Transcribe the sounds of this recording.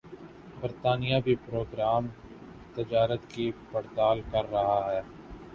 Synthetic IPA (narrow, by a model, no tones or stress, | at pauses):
bɐɾt̪aːnijabʱipɾoːɡɾaːm | t̪ɪd͡ʒaːɾət̪kipɐɽt̪aːlkɐɾːɐɦaɦɛː